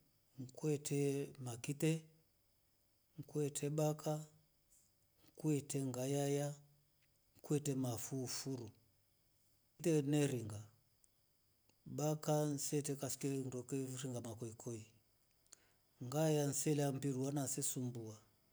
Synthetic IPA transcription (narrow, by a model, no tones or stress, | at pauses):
ŋkwɛtʰɛmakitɛ | ŋkwɛtʰɛbaka | ŋkuɛtɛŋɡajaja | ŋkuɛtɛmafufuɾu | tɛnɛɾiŋɡa | bakan̩sɛtɛkasi̥kɛndɔkɛɾiŋɡamakɔikʰɔi | ŋɡajan̩sɛlɛam̩piɾuwanansɛsumbua